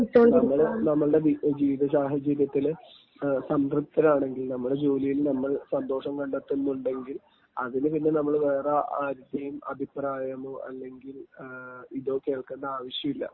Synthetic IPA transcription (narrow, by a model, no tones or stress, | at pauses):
t̪ːoːɳɐmːɐɭonɐmːɐɭɨɽe̞id͡ʑiːʋiðɐsaːɦɐt͡ɕːɐɾjɐt̪ːil | sɐmruk̚t̪ːɐɾaːɳe̞ŋɡilnɐmːuɽe̞d͡ʑoːlijilnɐmːɐɭsɐnd̪o̞ːʂɐmkɐɳɖet̪ːunːuɳɖe̞ŋɡil | ɐðinɨpinːenɐmːɐɭʋeːrɐʔaːɾud̪jɐjumɐ̰bʱipraːjɐmoɐ̰lːe̞ŋɡil | iðo̞ːke̞ːɭkenːɐaːʋɐɕjɐmilːɐ̰